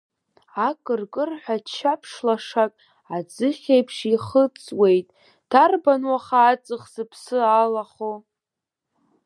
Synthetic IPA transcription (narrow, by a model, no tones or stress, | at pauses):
akʼɨrkʼɨrħʷᶣat͡ʃʰapʰʂlaʂakʼ | ad͡zɨχʲejpʰʂiχət͡sʼwe̞jtʼ | d̥ʰarbanwaχaːt͡sʼɨχzɨpʰsɨalaχo